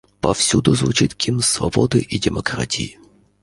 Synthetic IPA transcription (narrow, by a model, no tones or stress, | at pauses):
pɐfsʲud̪ʊzvʊt͡ɕit̪kʲʰimsvɐ̰bod̪ɨʔidʲɪmɐkɾa̰tʲijɪ